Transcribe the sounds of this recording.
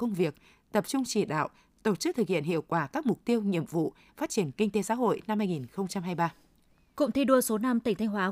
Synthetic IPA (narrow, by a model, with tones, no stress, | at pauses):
kə˧wŋ͡mvi˨˩ək̚ | t̪ə˨˩p̚t͡ɕʊ˧ŋ͡mt͡ɕi˧˩ɗa̰ː˧˨w | t̪o˧˩t̚t͡ɕɨ˦˥k̚t̪ʰɨ˨˩k̚hḭ˧˨ənɦḭ˧˨əwkwaː˧˩kaː˦˥k̚mʊ˨˩k͡p̚t̪i˧əwɲḭ˧˨əmvṵ˧˨ | faː˦˥t̚t͡ɕi˧˩ənkï˧ŋt̪e˨˦sa̰ː˧˥ɦo̰˧˨jna˧mːaː˧jŋi˨˩nxə˧wŋ͡mt͡ɕa˧mɦaː˧jɓaː˧ | kʊ̰˧˥ŋ͡mt̪ʰi˧ɗu˧əso˨˦na˧mt̪ï˨˩ŋ̟t̪ʰjŋ̟ɦwaː˨˦